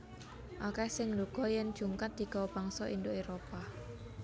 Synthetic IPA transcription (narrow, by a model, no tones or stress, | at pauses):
ʔakɛsɪŋluɡ̥ɔjɛnd̥ʒ̥uŋkat̪̚d̪̥i̤ɡ̥aob̥aŋsɔʔind̪oeɾopa